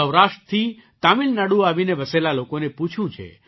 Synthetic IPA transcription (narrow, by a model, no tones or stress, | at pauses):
əwɾaʃʈət̪ʰit̪amilnaɽuaʋineʋəselalokoneput͡ʃʰũt͡ʃʰḛ